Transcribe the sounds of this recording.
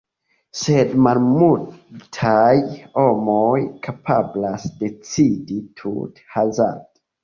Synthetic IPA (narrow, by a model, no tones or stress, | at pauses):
sedmalmultʰajho̞mojkʰapʰablasde̞t͡siditʰṵthaza̰nto̥